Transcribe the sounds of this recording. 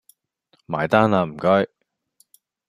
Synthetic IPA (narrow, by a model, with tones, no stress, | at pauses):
ma̰ː˨˩jt̪aː˥naː˧m̩˨˩kœ˥ɥ